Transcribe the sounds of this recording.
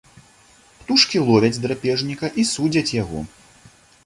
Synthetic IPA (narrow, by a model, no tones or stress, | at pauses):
pt̪uʂkʲilˠɔvʲɐd͡zʲd̪ɾapʲɛʐnʲikɐʔisud͡zʲɐt͡sʲjaɣɔ̰